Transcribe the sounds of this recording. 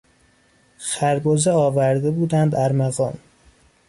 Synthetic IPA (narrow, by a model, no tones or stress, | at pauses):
xæɾbozeɒːvæɾd̪ebuːd̪ænd̪æɾmæɣɒːm